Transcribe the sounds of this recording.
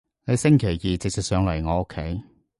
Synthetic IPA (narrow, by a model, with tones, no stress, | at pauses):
ne˨˧jsɪ˥ŋkʰe˨˩jjiː˨t͡sɪ˨k̚sɪ˨k̚sœː˨˧ŋlɐ˨˩jŋɔː˨˧ʊ˥kʰːe˨˥j